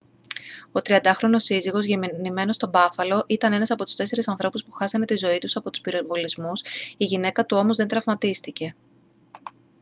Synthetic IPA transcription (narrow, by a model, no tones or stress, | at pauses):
o̞t̪ɾiɐnd̪ɐxɾo̞no̞siziɣo̞zʝemnime̞no̞st̪o̞bɐfɐlo̞ʔit̪ɐne̞nɐsɐpo̞t̪ust̪e̞se̞ɾisɐnθɾo̞puspu̥xɐsɐne̞t̪izo̞it̪usɐpo̞t̪u̥spiɾovo̞lizmusiʝine̞kɐt̪uo̞mozðent̪ɾɐvmɐt̪ist̪ice̞